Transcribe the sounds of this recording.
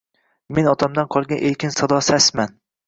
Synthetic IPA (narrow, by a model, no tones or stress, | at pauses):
menɒt̪ʰamd̪anqʰɒlˠɡʲanʔelkʲʰɪnsɒd̪ɒsasman